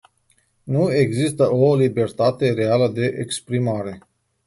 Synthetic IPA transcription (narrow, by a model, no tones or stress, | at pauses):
nue̞ɡzist̪əolibe̞rt̪at̪e̞ɾe̞aləd̪e̞ʔekspɾimaɾe̞